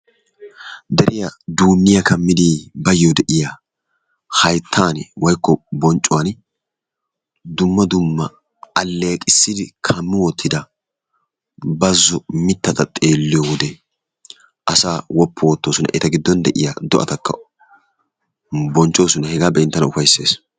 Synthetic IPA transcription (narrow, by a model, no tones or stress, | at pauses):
d̪ɛɾʔɪjɐd̪uːnːɪjɐkɐmːɪd̪iːbɐjɔd̪ɛʔɪja | hɐjt̪ʰːaːnwɐjkːɔbɔnt͡ʃʼːʊwaːn | d̪ʊmːɐd̪ʊmːɐ | ɐlːeːkʼɪsːɪd̪ɪkʰɐmːɪwɔt̪ʰːɪd̪ɐ | bɐzːʊmɪt̪ːɐt̪ɐt̪ʼe̞ːlːɪjɔwɔd̪ɛ | ʔɐsaːwɔpʰːɔwɔt̪ːoːsʊnɐ̰ʔɛt̪ɐɡɪd̪ːɔnd̪ɛʔɪ̰jad̪ɔʔɐ̰t̪ɐkːɐ̰ | bɔnt͡ʃʼo̞ːsʊnɐhɛɡaːbɛːnt̪ːɐnʊfɐjsːe̞ːs